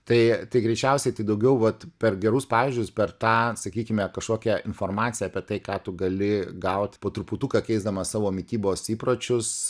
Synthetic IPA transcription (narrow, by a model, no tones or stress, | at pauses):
t̪ɐɪt̪ɐɪɡɾʲɛɪt͡ʃʲɛʊsʲɛɪt̪ɐɪd̪ɐʊɡʲɛʊʋɐt̪pʲɛrɡʲɛɾʊspɑːʋʲɪʒʲd͡ʒʲʊspʲɛrt̪ɑːsɐkʲiːkʲɪmʲɛkɐʃkoːkʲɛɪnfoːrmɑːt̪sʲɪjɛɐːpʲiɛt̪ɐɪkɑːt̪ʊɡɐlʲɪɡɐʊt̪ʲpoːt̪ɾʊpʊt̪ukɐkʲɛɪzd̪ɐmɐsɑːʋoːmʲɪt̪ʲiːboːsiːpɾoːt͡ʃʲʊs